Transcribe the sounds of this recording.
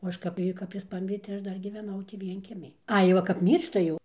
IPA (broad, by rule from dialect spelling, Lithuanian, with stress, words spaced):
oː ˈɐʃ kɐp ˈjiː kɐp ˈjɪs ˈpɑːmʲɪrʲeː tɐɪ ˈɐʃ ˈdɐr ɡʲiːʋʲɛˈnɐʊ tʲiː ˈʋʲiɛŋʲkʲiɛmʲɪj ˈɐɪ ˈʋɐ kɐp ˈmʲiːrʃtɐ jɛʊ